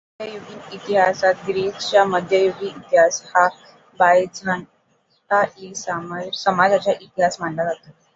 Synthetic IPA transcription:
əd̪ʱjəjuɡiːit̪iɦasat̪̚ɡɾist͡ɕjaməd̪ʱjəjuɡiit̪iɦasha | bajd͡zʱan | taisamasəmad͡zat͡ɕaʔit̪iɦasm̤aɳlad͡zat̪a

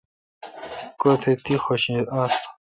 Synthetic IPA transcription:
kot̪ʰet̪ixoɕĩast̪ʰ

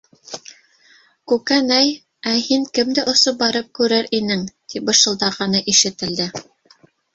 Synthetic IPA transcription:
kʉkænæj | æhiŋkɘmd̪æʔŏsop̚bɑɾɤp̚kʉɾæɾinɘŋt̪ʰip̚bɤ̆ʃɤ̆lˠd̪ɑʁɑnɤʔiʃɘ̆t̪ɘ̆ld̪ɘ

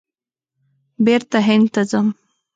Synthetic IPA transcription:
beɾt̪aɦɪnd̪t̪azəm

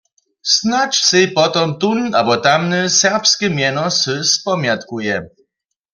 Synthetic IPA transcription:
snat͡ʂsɨjpɔt̪ɔmt̪una̰bɔt̪amnɨsɛʁpskʲɪmʲjɛnɔsɨspɔmʲjat̪kujɛ

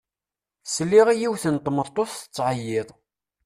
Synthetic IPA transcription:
səlːiʁijiwθənt̪ˤːmːəðˤt̪ˤoθθə̥t͡sːʕəjːɪðˤ

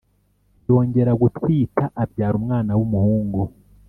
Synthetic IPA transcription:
jo̞ːɲɟe̞ɾaɡutwiːtaʔabɟaːɾumŋaːnawumuhuːŋɡu

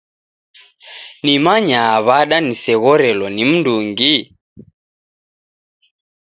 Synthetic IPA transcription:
nimaɲaːβaɗanisɛɣɔɾɛlɔnim̩nduŋɡi

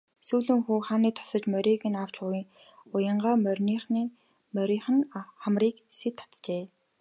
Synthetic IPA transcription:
suːɮɘ̆ŋxuːχaːniːt̪ʰɔ̥sɞ̆t͡ɕmœɾʲiːɣɘ̆naw̥t͡ɕʊiːŋ | ʊjə̆ɴɢaːmœrʲnin | mœɾʲiːχɘ̆nχamriːk | set̪ʰːḁt͡s̪t͡ɕeː

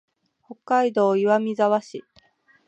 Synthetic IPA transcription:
ho̞kːaid̪o̞ːiβamʲizaβaɕi

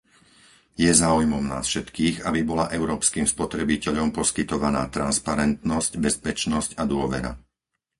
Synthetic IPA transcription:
jɛzaːujmɔmna̰ːsfʃɛt̪kiːɣabibɔlaʔɛʊɾɔːpskiːmspɔt̪ɾɛbicɛʎɔmpɔskit̪ɔʋana̰ːt̪ɾanspaɾɛnt̪nɔscbɛspɛt͡ʃnɔscad̪ʊɔʋɛ̰ɾa̰

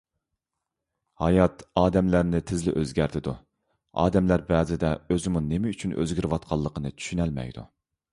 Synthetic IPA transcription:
hɑjɑt̪ɑːd̪ɛmlæɾnɪt̪ʰɪzlɪ̰ʔøzɡʲæɾt̪ʰɪd̪u | ɑ̰ːd̪ɛmlæɾbɛːzɪd̪ɛøzɪmunemɪyt͡ʃʰynø̰zɡʲiɾwɑt̪̚qʰɑlˠːəqʰənɨtt͡ʃ̪ʰy̥ʃynɛlmɛ̰jd̪ṵ

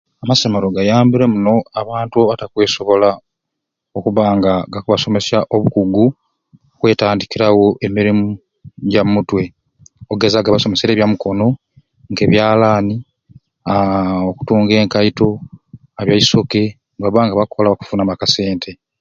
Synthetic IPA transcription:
amasemeɾoɡajaːmbiɾe̞muno̞aβaːntuaβatakwe̞ːso̞βo̞la | o̞kuβaːŋɡaɡakuβaso̞me̞saʔo̞βukuɡu | okwe̞ːtaːndikiɾawo̞ʔemiɾimu | ɟamutwe̞ | oɡezaɡaβaso̞me̞seɾeːβjamuko̞no̞ | ŋɡe̞ːβjaːlaːni | aoku̥tuːŋɡe̞ːŋkaito̞ | aβjaiso̞ke̞ | ɡaβaːŋɡaβakʰo̞laβaku̥funamakase̞ːntʰe̞

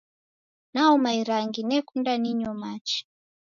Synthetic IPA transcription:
naɔmaiɾaŋɡinɛkundaniɲɔmat͡ʃi̥

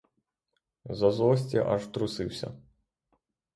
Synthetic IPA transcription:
zɐzɔsʲt͡sʲiʔɐʐt̪ɾusɨwsʲɐ̰

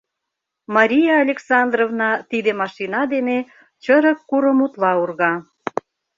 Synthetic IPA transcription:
mɑɾʲijɑːlʲeksɑnd̪rovnɑt̪id̪emɑʃinɑd̪ene | t͡ɕəɾə̆kːuɾəmut̪lɑurɣɑ

